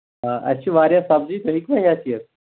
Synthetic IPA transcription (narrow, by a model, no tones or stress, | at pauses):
ɦãʔə̰ɕiːʋaɾjasab̚d͡ʑiːt̪oɦikʋaɦat͡ɕiːəs